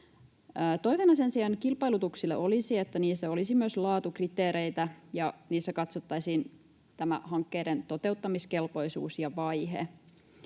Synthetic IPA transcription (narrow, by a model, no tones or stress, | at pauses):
t̪o̞jʋenɑsensiɑnkilpɑjlut̪uksilːḛʔo̞lisiet̪ːæniːsːæo̞lisimyøslɑːt̪ukrit̪eːɾe̞jt̪æjɑniːsːækɑt̪sot̪ːɑjsiːn | t̪æmæ̰hɑŋkːeːdent̪o̞t̪e̞ut̪ːɑmiske̞lpo̞jsṵːsjɑʋɑjɦḛ